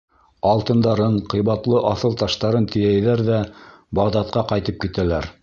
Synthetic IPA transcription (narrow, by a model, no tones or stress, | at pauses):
ɑlˠt̪ɤ̆nd̪ɑɾɤɴqɤ̆jβɑt̪lˠɤʔɑθɤlˠt̪ɑʃt̪ɑɾɤnt̪ɘ̆jæjðæɾðæbɑʁd̪ɑt̪̚qɑqɑjt̪ɤp̚kit̪ælæɾ